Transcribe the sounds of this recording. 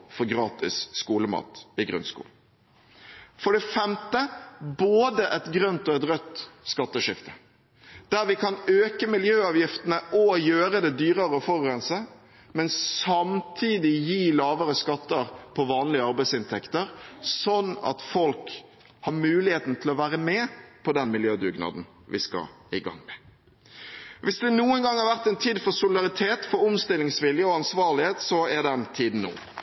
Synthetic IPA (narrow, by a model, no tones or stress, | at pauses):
fɔɾɡɾɑːt̪ɪ̰sːkuːləmɑ̰ːt̪ɪɡɾʉ̰nskṵːl | fɔɖɛfɛmt̪əboːd̪əʔɛt̪ɡɾœnt̪ɔɛt̪ɾœt̪ːskɑt̪ːəʂɪft̪ʰə̥ | d̪̥æɾʋɪkɑnøːkəmɪljøːɑːʋjɪft̪ənəʔɔjøːɾəd̪ɛd̪yːɾəɾəɔfɔɾɡɾɛnsə | mɛnsɑmt̪ʰiːd̪ɪjiːlɑːʋəɾəskɑt̪ːəɾpʰɔʋɑːnlɪəɑɾbæɪsɪnt̪ʰɛkt̪əɾsɔnːɑ̰t̪fɔlk | hɑɾmʉːlɪheːt̪n̩t̪ʰɪlɔʋæːɾəmɛːpʰɔd̪ɛnmɪljøːd̪ʉɡnɑ̰ːd̪n̩ | ʋɪskɑ̰ | ɪɡɑ̰ŋːmɛ | ʋɪsd̪ɛnuːənɡɑŋhɑɾʋæʁt̪ɛnt̪ʰiːd̪fɔɾsʊlɪd̪ɑʁɪt̪ʰeːt̪fɔɾʊmst̪ɪlːɪŋsʋɪljəɔɑnsʋɑːʁlɪheːt̪sɔɛɾd̪ɛnt̪ʰiːd̪n̩no̰ː